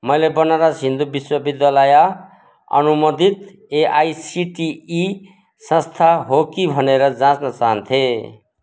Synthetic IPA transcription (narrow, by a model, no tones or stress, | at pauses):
mʌjlebʌnaɾasind̪ubiswʌbid̪jalaja | ʌ̰numʌd̪it̪ | eʔajsiʈiː | sʌ̃st̪ʰaɦokibʱʌneɾʌd͡zãt͡snʌt͡saɦʌnt̪ʰe